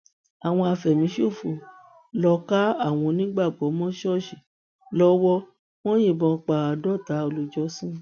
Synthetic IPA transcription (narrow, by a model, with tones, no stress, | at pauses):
a˨w̃ɔ̃˧a˧fɛ˨mĩ˨˦ʃo˦˨fu˧˨ | lɔ˧ka˦a˦˨w̃ɔ̃˧nĩ˦ɡ͡ba˦˨ɡ͡bɔ˨˦mɔ̃˦ʃɔ˦˨ʃi˨ | lɔ˦wɔ˦ | w̃ɔ̃˦jĩ˦˨bɔ̃˧k͡pa˨a˨dɔ˦˨ta˨˦o˧lu˧˦d͡ʒɔ˦sĩ˦